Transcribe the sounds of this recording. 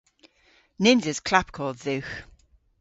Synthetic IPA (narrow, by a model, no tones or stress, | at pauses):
nɪ̃nzɪz̥kʰl̥ap̚kʰɔːlˠd̪ðʉx